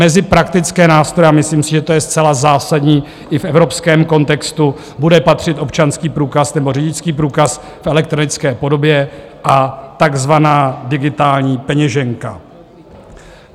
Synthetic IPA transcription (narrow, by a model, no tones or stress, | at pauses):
mɛzɪpɾakt̪ɪt͡skɛːnaːst̪ɾo̞jɛamɪsliːmsɪʒɛt̪ojɛst͡sɛlazaːsadɲiː | ʔɪfʔɛvɾo̞pskɛːmko̞nt̪ɛkst̪u | budɛpat̪r̝̥ɪt̪ʔo̞pt͡ʃanskiːpɾuːkasnɛbo̞rɪɟɪt͡skiːpɾuːkas | fɛlɛk̚t̪ɾo̞nɪt͡skɛːpo̞do̞bjɛʔat̪aɡzvanaːdɪɡɪt̪aːlɲiːpɛɲɛʒɛŋka